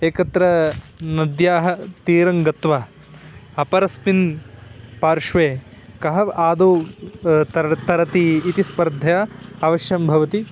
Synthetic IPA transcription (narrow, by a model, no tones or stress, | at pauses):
eːkɐt̪ɾɐ | nɐd̪jaːɦɐt̪iːɾɐŋɡɐt̪ʋa | ɐpɐɾɐspin | paːɾʂʋeːkɐɦɐaːd̪uː | t̪ɐɾɐt̪iːt̪ispɐɾd̪ʱɐjaɐʋɐʃjɐmbʱɐʋɐt̪i